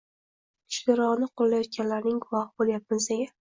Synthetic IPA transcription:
ʃlɪɾɒʁnɪqʰolˠːajɒt̪̚ɡʲanlaɾnɪŋɡʊvɒhbolˠjap̚mɪzeɡʲa

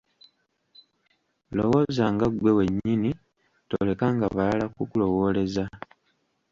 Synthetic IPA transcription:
lowo̞zaːŋɡaɡwe̞we̞ɲːini | to̰le̞kaŋɡaβalakukulo̞wo̞ːle̞za

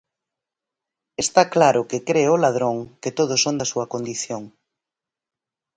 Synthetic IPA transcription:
est̪aklaɾʊkekɾeʊlað̞ɾoŋket̪oð̞ʊsːond̪ɐsuɐkond̪iθjoŋ

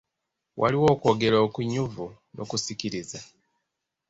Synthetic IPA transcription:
wʔa̰liwo̞ːko̞ːɡe̞ɾoːkuɲuvu | nʔo̰kusiciɾiza

